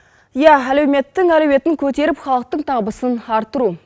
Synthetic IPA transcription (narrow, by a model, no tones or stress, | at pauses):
jɑɦælɵwmet̪ːɪŋælewet̪ːɪŋkʲʰɵt̪eɾɪpχɑlˠəq̚t̪əɴt̪ʰɑʁbəsənɑɾt̪əɾu